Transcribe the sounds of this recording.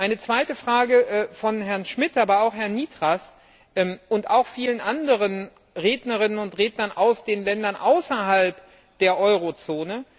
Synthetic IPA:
ʔaɪnət͡sv̥aɪtəfʁ̥aːɡəʔfɔnɦɛɐnʃmɪtʔaːbɐaʊxhɛɐnːiːtʁ̥as | ʔɛmʔʊntʔaʊxfiːlənʔandəʁən | ʁeːdnɐʁɪnənʊntʁeːdnɐnʔaʊsd̥eːnlɛndɐnʔaʊsɐɦalp | d̥eːɐʔɔʏʁot͡soːnə

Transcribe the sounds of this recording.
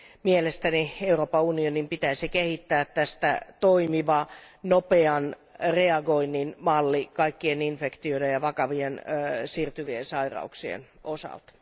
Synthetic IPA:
mielest̪ænieuropɑunionimpit̪æsikehit̪ːæːt̪t̪æst̪æ̰t̪oimiʋɑnopeɑn | reɑɡoinːinmɑlːikɑikːieninfekt̪ioidejɑʋɑkɑʋiensiːrt̪yʋiensɑirɑ̰uksiḛn | osɑ̰lt̪

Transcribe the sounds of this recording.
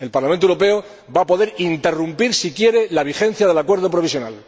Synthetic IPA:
e̞lpaɾlamẽnt̪oeuɾo̞p̬e̞o | bapo̞ðe̞ɾint̪e̞rumpiɾsikje̞ɾe̞laβ̞ixe̞n̟θjaðe̞lakwe̞ɾð̞o̞pɾo̞βis̬jo̞nal

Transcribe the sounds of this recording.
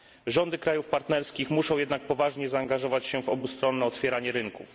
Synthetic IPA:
ʐɔnd̪ɘkɾajufpaɾt̪nɛɾskʲixmuʂɔ̃w̃jɛd̪nak̚pɔvaʐɲɛzaːŋɡaʐɔvat͡ɕɕɛvɔbust̪ɾɔnːɛɔt̪fʲjɛɾaɲɛɾɘŋkuf

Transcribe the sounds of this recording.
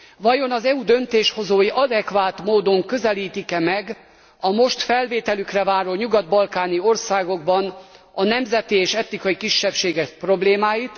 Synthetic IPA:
vɒjo̞nɒzɛud̪ø̞nt̪eːʃho̞zoːjiʔɒd̪ɛkvaːt̪moːd̪o̞ŋkø̞zɛliːt̪ikɛmɛɡ | ɒmo̞ʃt̪fɛlveːt̪ɛlykrɛvaːɾoːɲuɡɒd̪̚bɒlkaːnio̞rsaːɡo̞ɡ̚bɒn | ɒnɛmzɛt̪ieːʃɛt̪nikɒjikiʃːɛpʃeːɡɛkpro̞bleːmaːjit̪

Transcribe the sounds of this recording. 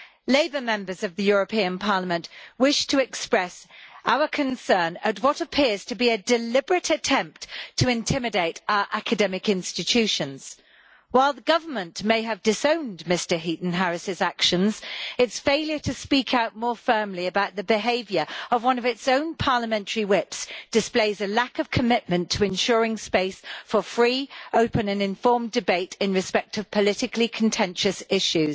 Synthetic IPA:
leɪbə˞mɛ̃mbə˞zʌvðɨjʊɹɨpʰĩɨ̃npʰɑɹləmə̃nʔwɪʃtʰəɨkspɹɛsʔaʊə˞kʰɨ̃nsɜ̃˞nət̚wʌɾəpʰɪɹz̥tʰɨbiɨdɨlɪbəɹɨɾɨtʰɛ̃mp̚tʰəɨ̃ntʰɪ̃mɨdeɪɾaʊə˞ʔækɨdɛmɨkɪ̃nstɨtʰʉʃɨ̃nz̥ | waɪlˠðəɡʌvə˞mə̃nʔmeɪɨvdɨsõʊ̃ndmɪstə˞ɦiʔn̩ɦɛɹɨsɨzækʃɨ̃nzɪtsfeɪljə˞tʰɨspiˑkʰaʊʔ̚mɔːfɜːmliəbaʊʔ̪̚ðəbɪɦeɪvjə˞əvwʌ̃nʌvɪtsõʊ̃npʰɑːləmɛ̃ntʰəɹiwɪpsd̥ɪspleɪzəlakəv̥kʰəmɪʔmə̃ntʰəɪ̃nʃɔːɹɪ̃ŋspeɪsfəfɹiːəʊpə̃nə̃nɪ̃ɱfɔɹmdɪbeɪtɪ̃nɹɨspɛk̚tʰəv̥pʰəlɪtɪkʰlikʰə̃ntʰɛ̃nʃəsɪʃʉz̥

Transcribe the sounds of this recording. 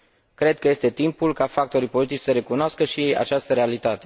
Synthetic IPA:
kɾe̞d̪̚kəje̞st̪e̞t̪impulkafak̚t̪o̞ɾijpo̞lit̪it͡ʃʲsəɾe̞kunoaskəʃijeja̰t͡ʃast̪əɾe̞alit̪at̪e̞

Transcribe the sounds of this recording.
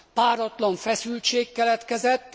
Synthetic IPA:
paːɾɒt̪lɒɱfɛsylt͡ʃeːkːɛlɛt̪kɛzɛt̪ː

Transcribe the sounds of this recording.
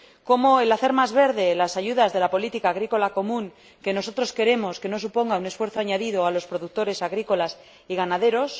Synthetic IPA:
ko̞mo̞elaθe̞ɾmazβe̞ɾðe̞lasaʝuðazðe̞lapo̞lit̪ikaːɣ̞ɾiko̞lako̞mũŋ | ke̞no̞so̞t̪ɾoske̞ɾe̞mo̞ske̞no̞supo̞ŋɡaune̞sfwe̞ɾθo̞aɲaðiðo̞alo̞spɾo̞ðuk̚t̪o̞ɾe̞saɣɾiko̞las | iɣanaðe̞ɾo̞s

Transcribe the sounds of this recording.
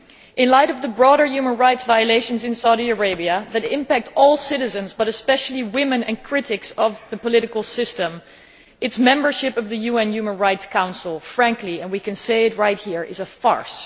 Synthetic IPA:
ʔɨ̃nlaɪɾʌvðəbɹɔɾə˞jʉmə̃nɹaɪtsvaɪɨleɪʃɨ̃nzɨ̃nsaʊɾiə˞eɪbiɨðɨɾɪ̃mpæk̚tɔlˠsɪɾɨzɨ̃nzbʌɾɨspɛʃl̩ˠiwɪ̃mɨ̃nɨ̃nkʰɹ̥ɪɾɪksʌvðɨpəlɪɾɨkl̩ˠsɪstə̃m | ʔɨtsmɛ̃mbə˞ʃɪpʌvðɨjʉɛ̃njʉmə̃nɹaɪtskʰãʊ̃nsl̩ˠfɹæ̃ŋkʰliɨ̃nwikɨ̃nseɪɨt̚ɹaɪt̚hiɹɪ̰zəfɑ̰ɹs

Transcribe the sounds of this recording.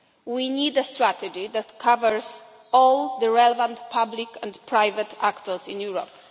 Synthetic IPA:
winid̪əstɹat̪ɛd͡ʒiðætkʰavəɹz | ɔlˠðəɹɛlɛvə̃ntpʰablikɛ̃npʰɹaɪvət̪ʰakt̪əlsɪ̃njuɹɔp

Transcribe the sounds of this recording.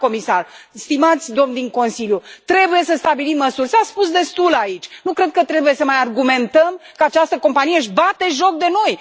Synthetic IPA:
ko̞misarst̪imat̪sʲd̪o̞mnd̪iŋko̞nsiljut̪ɾe̞buje̞səst̪abilimːəsurʲsaspus̬d̪e̞st̪ulait͡ʃʲnukɾe̞d̪̚kət̪ɾe̞buje̞səmajarɡume̞nt̪əmkəat͡ʃast̪əko̞mpanijeɨʃ̬bat̪e̞ʒo̞k̚d̪e̞no̞j

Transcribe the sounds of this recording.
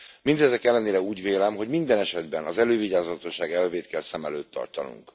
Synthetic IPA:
mind̪ɛzɛkɛlːɛneːɾɛuːɟveːlɛmɦo̞ɟmind̪ɛnɛʃɛd̪bɛnɒzɛløːviɟaːzɒt̪o̞ʃaːɡɛlveːt̪kɛlsɛmɛløːt̪ːɒ̰rt̪ɒnṵŋk

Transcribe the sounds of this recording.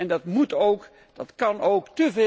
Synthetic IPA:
ɛndɑtmutowk | d̥ɑtkɑnowktəve

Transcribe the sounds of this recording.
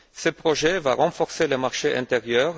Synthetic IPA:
səpχoʒɛvaʁɑ̃fɔʁseləmaʁʃeʔɛ̰̃t̪eʁjœːʁ

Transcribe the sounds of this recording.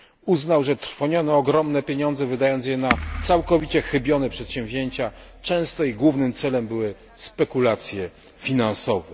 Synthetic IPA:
uznawʐɛt̪ɾfɔɲɔnɔːɡɾɔmnɛpʲjeɲɔnd̪zɛvɘd̪ajɔnt̪sjɛnat̪sawkɔvʲit͡ɕɛxɘbʲjɔnɛpʂɛt̪ɕɛ̃mvʲʑeɲt͡ɕat͡ʂɛ̃w̃st̪ɔiɡwuvnɘmt̪sɛlɛmbɘwɘ | spɛkulat̪sʲjɛ | fʲinansɔvɛ

